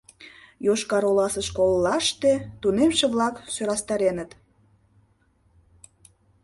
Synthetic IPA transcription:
joʃkɑɾolɑsəʃkolːɑʃt̪et̪unemʃeβlɑksøɾɑst̪ɑɾenət̪

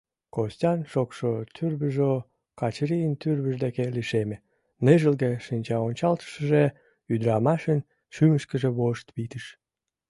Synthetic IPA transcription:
kostʲɑnʃokʃot̪ʰyrβəʒo | kɑt͡ɕɾijənt̪yrβəʒd̪ekeliʃeme | neʒəlɣeʃinʲt͡ɕɑonʲt͡ɕɑlt̪ə̥ʃəʒe | yd̪ɾɑmɑʃən | ʃyməʃkə̆ʒĕβoʃt̪βit̪əʃ

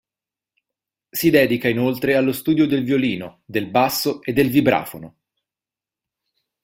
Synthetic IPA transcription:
sid̪ɛːd̪ikainolt̪ɾealːost̪uːd̪jod̪elvjoliːnod̪elbasːoed̪ːelvibɾa̰ːfono

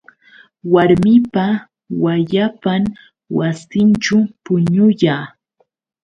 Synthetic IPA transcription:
waɾmɪpa | waʎapam | wasɪnt͡ʃʊpʊɲʊjaː

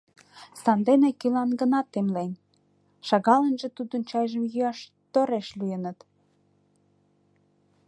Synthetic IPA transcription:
sɑnd̪enekilɑnɡə̆nɑt̪ːemlenʲ | ʃɑɣɑlənʒĕt̪ud̪ənt͡ɕɑjʒəmjyɑʃ | t̪oɾeʃlyjənət̪

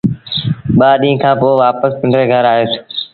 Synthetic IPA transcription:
ɓaːɗĩːkʰãːpoːʋaːpəspɪ̃ɳɖɾeːɡʱəɾaːɦeːt̪ʰː

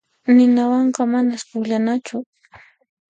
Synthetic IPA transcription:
nɪnawɑɴɢɑmanaspʊʎanat͡ʃʊ

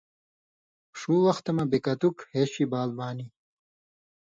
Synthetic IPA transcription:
ʂuːwɐxt̪ɐmɐbekɐt̪ukheːɕibaːlbaːni

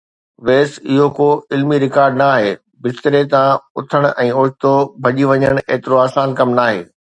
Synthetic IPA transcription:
ʋeːsɪɦokoːɪlmiɾɪkaːɾɖnaːɦeː | bɪst̪ɾet̪ãʊt̪ʰəɽ̃ʊɛ̃ːʊːt͡ʃt̪obʱɐʄiʋɐɲəɽ̃ḛːt̪ɪɾoaːsaːnkɐmnaːɦḛː

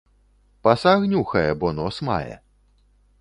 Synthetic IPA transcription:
pɐsaɣnʲuxɐjɛbɔnɔsma̰jɛ̰

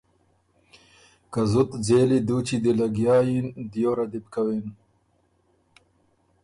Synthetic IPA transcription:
kazʊt̪d͡zeːlid̪ut͡ɕid̪elɐɡjɑːjind̪joːɾad̪ib̚kawin

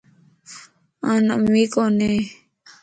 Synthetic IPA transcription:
ãna̰mikone

